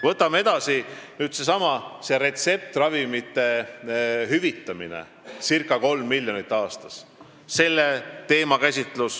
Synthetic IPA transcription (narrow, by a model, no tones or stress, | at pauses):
vɤ̞t̪ːˑɑmee̞d̪̥ɑsinyːd̪̥se̞sɑmɑse̞ɾe̞t̪se̞p̚t̪rɑvimit̪ˑːe̞ | ɦyvit̪ːˑɑmḭnḛ | sirkːˑɑko̞lmːilʲjonit̪ːˑɑːst̪ɑ̥s | se̞lːe̞t̪e̞ːmɑkæsʲit̪ˑlus